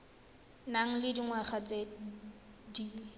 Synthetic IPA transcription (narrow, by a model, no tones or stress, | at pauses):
naŋ̩lɪdiŋwaχat͡sʼe | diː